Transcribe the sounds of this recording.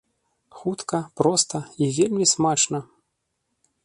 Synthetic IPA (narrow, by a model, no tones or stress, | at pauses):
xut̪kɐpɾɔst̪ɐivʲelʲmʲismat͡ʂnɐ